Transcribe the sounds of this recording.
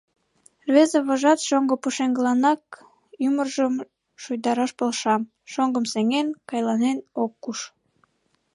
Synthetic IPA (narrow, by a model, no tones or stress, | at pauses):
rβezeβoʒɑt̪ʃoŋɡŏpuʃeŋɡəlɑnɑk̚ | ymərʒəm | ʃujd̪ɑɾɑʃpolʃɑm | ʃoŋɡə̆mseŋenkɑjlɑnenokːuʃ